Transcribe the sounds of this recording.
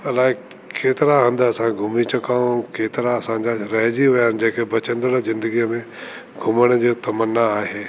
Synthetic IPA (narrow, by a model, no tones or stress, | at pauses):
ɐlaːɦɪ | kʰeːt̪ɪɾaɦə̃nd̪ɐsãɡʱʊmit͡ɕɐkaːũkeːt̪ɪɾaːsãɲd͡ʑaɾɐɦd͡ʑiʋɐjand͡ʑɐ̃ɦɪ̃kebɐt͡ɕə̃nd̪əɽzɪ̃nd̪əɡijəmẽ | ɡʱʊməɽ̃əd͡ʑot̪ɐmənːaaːɦeː